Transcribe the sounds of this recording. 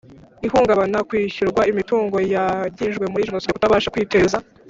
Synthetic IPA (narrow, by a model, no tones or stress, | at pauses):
ihuːŋɡaβanakwiːçuɾɡwaimituːŋɡo̞jaɟiːʒɡwe̞muɾiʒonosidekutaβaːʃakwiːte̞ːza